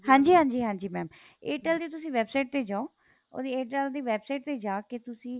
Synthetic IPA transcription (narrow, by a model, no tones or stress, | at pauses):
hãːɲd͡ʒiːɦãːɲd͡ʒiːɦãːɲd͡ʒiːmɛːm | eːʈɛld̪eːt̪ʊsĩːʋɛːbsaɪʈ̚t̪eːd͡ʒaːõː | o̰ːd̪ieːʈɛld̪iːʋɛːbsaɪʈ̚t̪eːd͡ʒaːket̪ʊsĩː